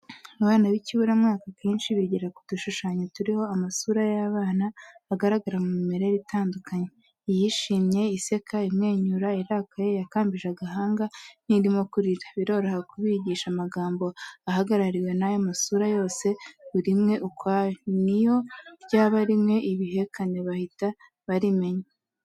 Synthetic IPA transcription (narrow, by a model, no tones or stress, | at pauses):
aβaːnawiciβuɾamŋaːkakeːnʃiβiɟiɾaku̥duʃuʃaːɲotuɾiho̞amasuːɾajaβaːnaːɡaɾaɡaɾamumimeɾe̞ɾitaːndukaɲe̞ | ijiʃiːmɲe̞ise̞kʰaimŋe̞ːɲuɾaiɾaːkajejakaːmbiʒaɡaɦaːŋɡan̥iɾimo̞kuɾiɾaβiɾo̞ːɾahakuβiɟiːʃamaɡaːmbo̞aɦaɡaɾaɾiwe̞najomasuɾajo̞ːse̞βuɾimŋe̞ʔukwaːjnijo̞ɾjaːβaɾimŋe̞ʔiβiɦe̞kaɲeβahita | βaɾime̞ɲe